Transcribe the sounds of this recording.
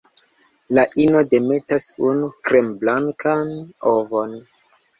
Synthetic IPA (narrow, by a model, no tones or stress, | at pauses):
laʔinode̞me̞tasunukɾemblaŋkanovo̞n